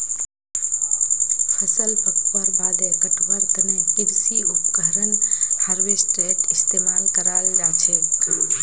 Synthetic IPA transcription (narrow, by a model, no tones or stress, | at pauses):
hɐsəlpɐkʋaːɾbaːd̪ɛːt̪əkbəɾəmĩkɪlsiʊp̚kəɦɾənhəɾʋeːsʈɾeːʈɪst̪eːmaːlkəɾaːld͡ʒaːt͡ʃʰeː